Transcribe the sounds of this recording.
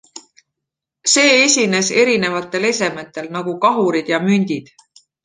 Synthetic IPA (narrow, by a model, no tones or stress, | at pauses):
se̞ːesʲine̞se̞ɾine̞vɑt̪ˑːe̞le̞se̞met̪ːˑe̞lnɑɡukɑɦuɾid̪̥jɑmynʲd̪̥ʲid̪̥